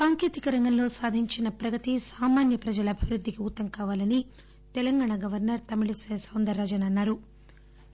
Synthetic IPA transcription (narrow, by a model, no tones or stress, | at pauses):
saːŋkeːt̪ikɐɾɐŋɡɐmlo̞ːsaːd̪ʱiɲt͡ʃinɐpɾɐɡɐt̪isaːmaːnjɐpɾɐd͡ʒɐlɐbʱiʋɾud̪ʱːikiut̪ːɐŋkaːʋaːlɐni | t̪ɛlɐŋɡaːɳɐɡɐʋɐɾnɐɾt̪ɐmiɭiseːsond̪ɐɾːɐd͡ʒɐnɐnːaːɾu